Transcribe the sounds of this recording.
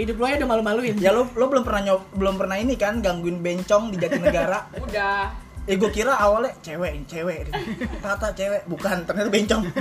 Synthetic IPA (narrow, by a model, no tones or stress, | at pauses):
idʊpluajadamalumaluɪnjalolobəlʊmpərnahɲɔbəlʊmpərnainikanɡaŋɡuɪnbɛɲt͡ʃɔŋdid͡ʒatinəɡaɾaudaeɡokiɾaʔːwalɛt͡ʃewɛʔnt͡ʃewɛʔdut̪at̪at͡ʃewɛʔbukant̪ərɲat̪ubɛɲt͡ʃɔŋ